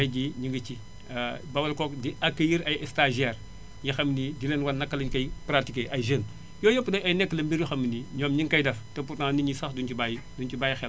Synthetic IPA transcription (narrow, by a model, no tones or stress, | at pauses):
ɐjdiɲiŋɡət͡ʃi | bɐwɐlkɔk̚diɐkːɐjiɾɐjɛstaʒɛːr | jixɐmːnidilɛnwɐnːɐkːɐlɐɲkɐjpɾatikeʔɐjʒəŋ | jɔːjəpːdɐɐjnɛkːəlɐmbiɾjuxɐmːiniɲɔːmɲiŋkɐjdɐftɛpurtãːniɲisɐxdunt͡ʃibajidunt͡ʃibaːjixɛ